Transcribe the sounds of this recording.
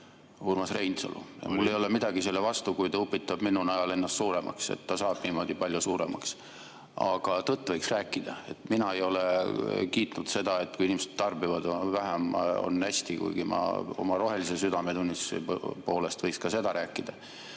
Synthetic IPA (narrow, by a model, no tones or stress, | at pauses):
urmɑsrejnso̰lṵjɑ̰mlulːejo̞lemid̪̥ɑɡise̞lːevɑst̪ukujt̪ɑupːˑit̪ːˑɑb̥minunɑjɑle̞nːɑst̪suːɾe̞mɑ̰kse̞̰t̪ːɑsɑːb̥niːmo̞d̪̥ipɑlʲjusuːɾe̞̰mɑks | ɑɡ̥ɑt̪ɤt̪ːˑvɤjksræːkːˑid̪̥ɑe̞̰t̪minɑe̞jo̞lekiːt̪ˑnud̪̥se̞d̪ɑe̞t̪ːkuinimese̞̥d̪̥t̪ːɑrbivɑd̪væɦæmo̰nːæsʲt̪ikṵjɡ̥imɑ̰o̞̰mɑɾo̞ɦe̞lise̞syd̪̥ɑmet̪unʲːispo̞ːle̞st̪vɤjkskɑse̞d̪̥ɑɾʔæːkːˑid̪ɑ